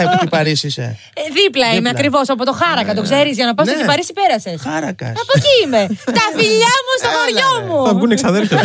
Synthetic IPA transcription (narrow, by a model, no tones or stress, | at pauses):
epot̪ipɐɾisisḛ | ðiplɐimeɐkɾivo̞sɐpo̞t̪o̞xɐɾɐkɐt̪o̞kse̞ɾizʝɐnɐpɐst̪ot̪ipɐɾisipe̞ɾɐse̞sxɐɾɐkɐ̰ɐpociime̞t̪ɐfiʎɐmust̪oxoɾʝomuɐvɡuneksɐðelfjɐ